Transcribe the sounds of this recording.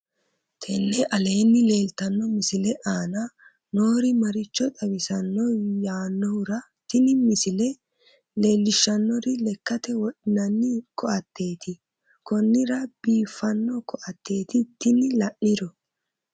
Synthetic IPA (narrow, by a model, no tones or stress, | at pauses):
t̪ʰɛnːɛʔɐle̞ːnːɪle̞ːlt̪ɐnːɔmɪsɪlɛʔaːnɐ | no̞ːɾɪmɐɾɪt͡ʃːɔt̪ʼɐwɪsɐnːɔjaːnːɔhʊɾɐ | t̪ɪnɪmɪsɪlɛ | le̞ːlːɪʃːɐnːɔɾɪlɛkːɐt̪ɛwɔᶑɪnɐnːɪkɔʔɐt̪ːe̞ːt̪ɪ | kɔnːɪɾɐb̥iːfːɐnːɔkɔʔɐt̪ʰːe̞ːt̪ɪt̪ɪnɪlɐʔːɪɾɔ